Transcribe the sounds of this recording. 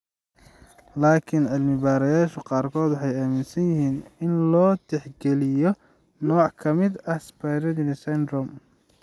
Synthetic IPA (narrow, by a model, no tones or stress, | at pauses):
laːkʰɪnɐlmɪbaːɾɐjaːʃʊqɑːrkʰɔːd̪wħɑjaːminsɐnjɪɦiːnɪnlɔːt̪ʰɛħɡɛlɪjɔ | nɔːʕkʰɐmɪd̪ɐspajɾɐd̪ɪnsɛnd̪rɔm